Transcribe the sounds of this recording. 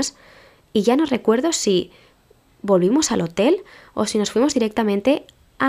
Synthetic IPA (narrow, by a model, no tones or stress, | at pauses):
s | iʝano̞re̞kwe̞ɾðo̞si | bo̞lβimo̞salo̞t̪e̞lo̞̰sino̞sfwimo̞zðiɾe̞k̚t̪amẽ̞nt̪e̞ | a